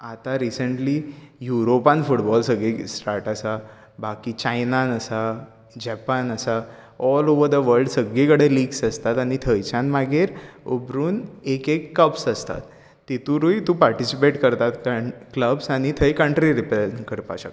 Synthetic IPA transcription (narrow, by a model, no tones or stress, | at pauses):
at̪aɾisəɳʈlijuɾopanfuʈbɔlsəɡɭisʈaɾʈəsa | bakit͡ɕajnanəsa | d͡ʑɛpanəsa | ɔloʋəɾd̪əʋəɾɖsəɡːĩkəɽeliːɡsəst̪at̪añit̪ʰəjt͡ɕanmaɡeɾobɾuːnekekːəbsəst̪a̰t̪ː | it̪ũɾuit̪ũpaɾʈisipeʈkəɾt̪at̪kakləbsaɽ̃it̪ʰəjkə̃ɳʈɾiɾipekəɾpa̰ɕak